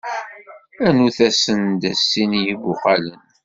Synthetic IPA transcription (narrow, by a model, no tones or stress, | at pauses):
ænuθæsənd̪æsːinjivʊqɑlən